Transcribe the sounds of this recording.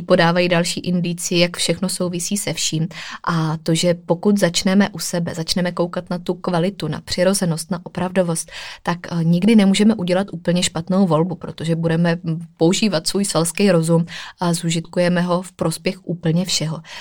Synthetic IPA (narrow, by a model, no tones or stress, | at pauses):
po̞daːvajiːdalʃiːʔɪndɪt͡sɪjɪjakfʃɛxno̞so̞wvɪsiːsɛfʃiːmʔat̪o̞ʒɛpo̞kut̪zat͡ʃnɛmɛʔusɛbɛzat͡ʃnɛmɛko̞wkat̪nat̪ukvalɪt̪una̰pr̥ɪɾo̞zɛno̞st̪naʔo̞pɾavdo̞vo̞st̪̚t̪akɲɪɡdɪnɛmuːʒɛmɛʔuɟɛlat̪ʔuːpl̩ɲɛʃpat̪no̞wvo̞lbupɾo̞t̪o̞ʒɛbudɛmɛpo̞uʒiːvat̪svuːjsvɛlskɛjɾo̞zumazuʒɪt̪kujɛmɛɦo̞fpɾo̞spjɛxʔuːpl̩ɲɛfʃɛɦo̞